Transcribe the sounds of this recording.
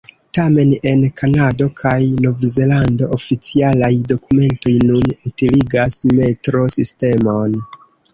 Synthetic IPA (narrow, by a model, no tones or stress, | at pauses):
tame̞ne̞nkʰanado̞kʰajno̞vze̞lando̞ʔofit͡sialajdo̞kume̞nto̞jnunutiliɡasme̞tɾo̞siste̞mo̞n